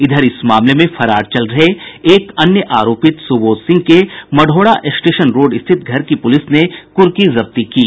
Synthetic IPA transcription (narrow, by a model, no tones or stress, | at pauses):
ɪd̪ʱəɾɪsmaːmlemẽfʰɐɾaːɾt͡ʃɐlɾɐɦeːkɐnjəʔaːɾoːpɪt̪sʊboːt̪sɪ̃ŋɡ̚kemɐɖʱoːɽaʔɪsʈeːʃənɾoːɖɪst̪ʰɪt̪̚ɡʱɐɾkipʊlɪsnekʊɾkizɐb̚t̪ikiː